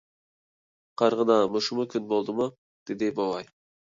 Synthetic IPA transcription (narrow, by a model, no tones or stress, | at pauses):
qʰɑɾʁəd̪ɑmʊʃumukʲʰynbolˠd̪ɨmu | d̪̥ɪd̪ɪbɑwɑj